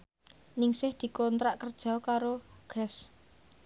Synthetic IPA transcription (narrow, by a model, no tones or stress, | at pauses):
nɪŋsɪhd̪̥i̤kɔnt̪ɾaʔkərd̥ʒ̥ɔ̤kaɾoɡ̥ɛs